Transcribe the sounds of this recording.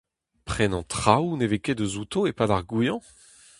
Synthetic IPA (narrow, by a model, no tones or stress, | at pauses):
pχɛnɑ̃t̪χawneveked̪øzut̪oepad̪aʁɡujɑ̃